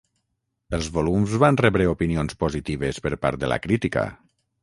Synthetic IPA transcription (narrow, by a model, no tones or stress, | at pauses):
əlˠzβolumzβanrɛβɾeopinionspozit̪iβəspəɾpa̰ɾt̪̚d̪əla̰kɾit̪ika̰